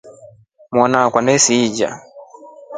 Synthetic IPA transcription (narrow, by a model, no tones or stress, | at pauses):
mwɔnakwanɛsiːd͡ʒa̰